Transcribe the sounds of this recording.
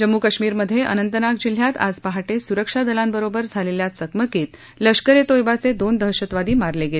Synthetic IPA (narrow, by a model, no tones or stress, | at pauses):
d͡ʑəmːukəɕmiːɾməd̪ʱːjeʔə̰nənt̪ənak̚d͡ʑil̤ːjat̪a̰d͡zpaɦaʈesuɾəkʂad̪əlambəɾobəɾd͡zʱaleljat̪səkməkiːt̪ | ləʂkəɾet̪ojbat͡sed̪ond̪ʱəɦɕət̪ʋad̪iːmaɾleɡel